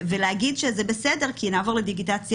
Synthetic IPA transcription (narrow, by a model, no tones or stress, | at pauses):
veleaɡid̪ʃezebesede̞ʁkʰinaːvo̞ʁled̪iɡitat͡sj